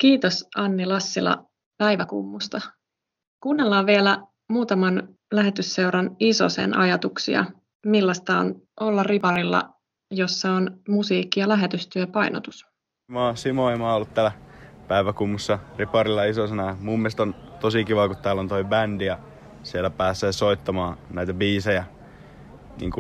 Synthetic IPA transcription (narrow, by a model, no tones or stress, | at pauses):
kiːt̪o̞sʔɑnːilɑsːilɑ̰ | pæjʋækṵmːust̪ɑ | kunːelːɑːʋʋielæ | muːt̪ɑmɑn | læɦe̞t̪ysːe̞uɾɑniso̞̰sḛnʔɑ̰jɑt̪uksḭɑ̰ | milːɑst̪ɑo̰nʔo̞lːɑripɑrilːɑ̰ | josːɑonmusiːkːijɑlæɦe̞t̪yst̪yøpɑjnot̪us | moːsimoemɑːolːut̪t̪æːlæpæiʋækumːusːɑripɑɾilːɑisosenɑɑmumːieˑst̪ont̪osikiʋɑkut̪t̪ːæːlːont̪oibændijɑ | sielæpæːseːsoit̪ːɑmɑːnæit̪æbiːsejæ | nḭːŋku